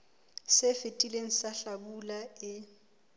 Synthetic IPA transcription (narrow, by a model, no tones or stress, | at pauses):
sɪfɪtʼileŋ̩saɬabulaɪ